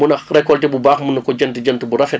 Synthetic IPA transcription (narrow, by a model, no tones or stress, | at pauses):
unɐxrɛkɔltɛbubaːxmunɐkɔɟɐntiɟɐntəbuɾɐfɛ